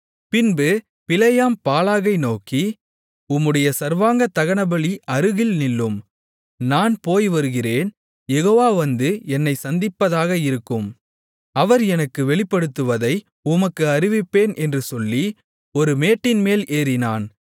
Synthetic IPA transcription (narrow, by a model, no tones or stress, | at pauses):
pɪnbɯ | pɪlɐjaːmpaːlaːɣɐɪnoːki | ʊmːɯɽɐjɐsɐɾʋaːŋɡɐt̪ːɐɣɐɳɐbɐɭiɐɾɯɣɪlnɪlːɯm | naːnpoːjʋɐɾɯɣɪreːn | jɛɣoːʋaːʋɐnd̪ɯɛnːɐɪsɐnd̪ɪpːɐðaːɣɐɪɾɯkːɯm | ɐʋɐɾɛnɐkːɯʋɛɭɪpːɐɽɯt̪ːɯʋɐðɐɪ | ʊmɐkːɯɐɾɪʋɪpːeːnʔɛndrɯsɔlːi | ɔɾɯmeːʈːɪnmeːlʔeːɾɪnaːn